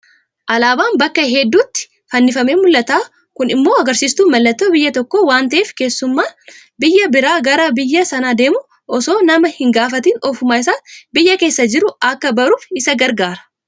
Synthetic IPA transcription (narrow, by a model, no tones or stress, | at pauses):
ʔɐlaːbaːnbɐkːɐɦɛd̪ːuːt̪ːɪ̥ | fɐnːɪfɐmeːmʊlːɐt̪aː | kʊnɪmːo̞ːɐɡɐɾsiːst̪uːmɐlːɐt̪ːoːbɪjːɐt̪ɔkːoːwaːnt̪ɐʔeːfke̞ːsːʊmːaː | bɪjːɐbɪɾaːɡɐɾɐbɪjːɐsɐnaːd̪e̞ːmʊ | ʔɔso̞ːnɐmɐhɪŋɡaːfɐt̪iːnɔfʊmaːɪsaːbɪjːɐke̞ːsːɐd͡ʒɪɾʊɐkːɐbɐɾuːfɪsɐɡɐɾɡaːɾɐ̥